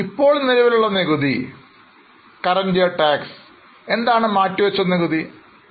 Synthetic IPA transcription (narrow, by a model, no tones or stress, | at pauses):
ipːo̞ːɭnilɐʋiluɭːɐneɣuði | kɐrɐndijɐʈaːks | e̞nd̪aːɳɨmaːtːuʋɐt͡ɕːɐneɣuði